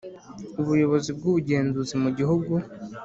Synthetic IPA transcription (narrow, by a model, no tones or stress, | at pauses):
uβujo̞βo̞zib̚ɡuβuɟe̞ːnzuzimuɟiɦuɡu